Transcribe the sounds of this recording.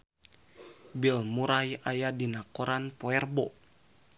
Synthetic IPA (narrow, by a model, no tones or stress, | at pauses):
bilmuɾajajadinakɔɾanpoɛrbɔ